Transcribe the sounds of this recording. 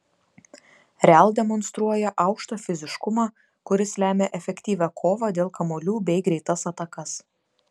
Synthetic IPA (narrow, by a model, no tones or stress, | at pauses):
ɾʲɛlˠd̪ʲɛmɔnst̪ɾuɔjɛʔɐˑʊkʃt̪oːfʲɪzʲɪʃkʊmɑː | kʊɾʲɪslʲæːmʲeːʔɛfʲɛkʲt̪ʲiːʋʲɛkʰoːʋɑːd̪ʲeːlˠkɐmoːlʲuːbʲɛɪɡɾʲɛɪt̪ɐsɐt̪ɐkɐs